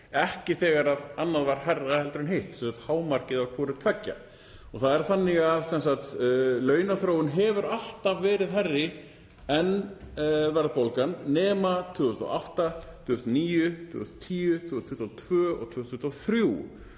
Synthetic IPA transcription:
ɛhcɪθɛːɣaɾaðanːaðvaɾ̥hɛrːahɛlt̪ɾʏnɦejht̪sɛnsaxt̪haːwmar̥cɪðaɾkʰvɔːɾʏt̪ʰvɛcːa̰ | ɔɣθaðɛɾ̥θanːɪɣaðsɛnsaxt̪lœːɥnaθɾowʏnɦɛvʏɾal̥t̪avːɛːɾɪðɦɛrːɪ | ɛn | vɛɾðpowlkanːɛːmat̪ʰʏːɣʏst̪ɔ̰ʔawht̪at̪ʰʏːʏst̪niːjʏt̪ʰʏːʏst̪t̪ʰiːjʏt̪ʰʏːʏst̪fʏht̪ːɔt̪ʰv̥œːɔ̰ɣt̪ʰvʏːst̪fʏht̪ɔθɾjuː

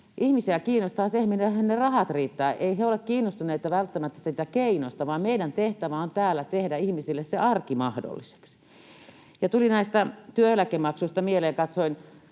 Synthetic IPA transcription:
ʔihmisiækiːnost̪ɑhɑsehminehænnerɑhɑt̪riːt̪ːæːʔeiheolekkiːnːost̪uneit̪ɑʋælt̪ːæmæt̪ːæ̥siːt̪ækeinost̪ɑʋɑːmmeidænt̪eht̪æʋæont̪æːlːæt̪ehdæihmisilːesseɑrkimɑhdo̰lːise̥ks | jɑt̪ulinæist̪ɑt̪yølækemɑksuist̪ɑmieleːŋkɑt̪soin

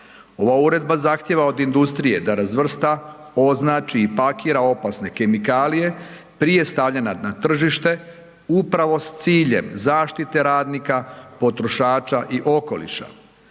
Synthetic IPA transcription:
o̞ʋauɾe̞d̪bazaxt̪je̞ʋao̞d̪ind̪ust̪ɾije̞d̪aɾazʋr̩st̪ao̞znaːt͡ʃiːpakiːɾao̞pasne̞ke̞mikaːlije̞ | pɾije̞st̪aʋʎananat̪r̩ʒiʃt̪e̞ | upɾaʋo̞st̪siːʎe̞̰mzaːʃt̪it̪e̞ɾaːd̪nikapo̞t̪ɾo̞ʃaːt͡ʃaʔiʔo̞ko̞̰lḭʃa̰

